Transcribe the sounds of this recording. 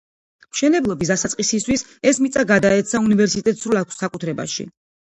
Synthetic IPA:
mʃɛnɛblˠɔbisd̪asat̪sqʼisist̪ʰwis | ɛsmit̪sʼaɡad̪aɛt̪sʰaunivɛɾsit̪ʼɛt̪ʼsɾulˠakʷʰsːakʼut̪ʰɾɛba̰ʃḭ

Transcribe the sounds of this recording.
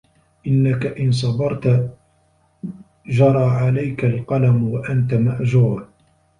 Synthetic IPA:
ʔɪnːakaʔɪns̬ˤɑbɑɾˤt̪ | d͡ʒɑɾˤɑːʕalajkalqɑlamwaʔant̪amaʔd͡ʒuːɾ

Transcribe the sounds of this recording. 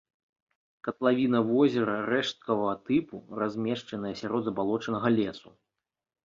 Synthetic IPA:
kɐt̪lˠavʲinɐvɔzʲɛɾɐɾɛʂt̪̚kɐvɐɣɐt̪ɨpurazʲmʲɛʂt͡ʂɐnɨjɐsʲaɾɔd̪zɐbalˠɔt͡ʂɐnɐɣɐlʲɛsu

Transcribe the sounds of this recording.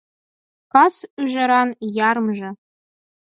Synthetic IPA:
kɑsyʒɘ̆ɾɑnjɑɾmʒɤ̆

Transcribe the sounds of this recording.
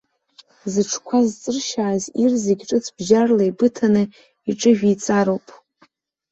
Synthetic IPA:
zɨʈ͡ʂʰkʷʰazt͡sʼɨrʃaːzirzeɡʲʈ͡ʂʼɨt͡sʰb̥ʒarlajbɨtʰanɨ | iʈ͡ʂʼɨʒᶣit͡sʼaɾowpʼ

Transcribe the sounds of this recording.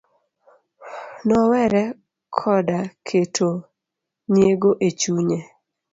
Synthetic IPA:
nɔwɛɾɛ | kʰɔdakʰetʰo | njeɡoʔet͡ʃuɲe

